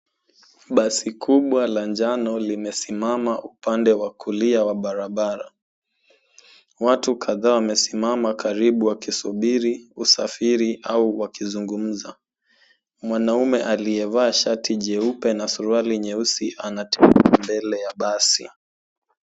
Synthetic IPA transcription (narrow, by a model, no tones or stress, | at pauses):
ɓasikʰuɓwalaɲd͡ʒanɔlimɛsimamaʔupandɛwakʰuliawaɓaɾaɓaɾa | watukʰaðaːwamɛsimamakaɾiɓuwakisuɓiɾiusafiɾiʔauwakizuŋɡum̩za | mwanaumɛʔaliɛvaːʃatiʄɛupɛnasuɾualiɲɛusiʔanatɛbambɛlɛjaɓasḭ